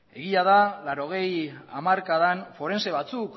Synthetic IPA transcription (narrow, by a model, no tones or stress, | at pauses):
e̞ɣiað̞alaɾo̞ɣ̞e̞ja̰maɾkaðanfo̞ɾe̞nse̞βat͡suk